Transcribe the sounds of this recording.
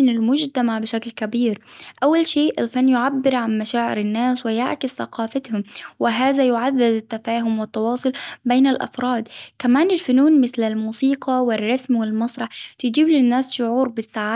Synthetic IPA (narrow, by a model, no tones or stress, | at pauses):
ɪnɪlmʊd͡ʒt̪amaʕbɪʃaklkabiːɾʔawːalʃeːʔɪlfanːjʊʕabːɪɾʕanmaʃaːʕɪ̰ɾɪnːaːswɪja̰ʕkɪsθa̰qɑːfat̪hʊmwɪɦaːðajʊʕaðːɪd̪ɪt̪ːafaːɦʊmwɪt̪ːɑwɑːsˤʊlbeːnalʔɑ̰fɾˤɑːd̪kamaːnɪlfʊnuːnmɪθlɪlmuːsiːqɑwɪrˤːɑsmwɪlmɑsˤɾˤɑħt̪ɪd͡ʒiːblɪnːaːsʃʊʕuːɾbɪsːaʕaː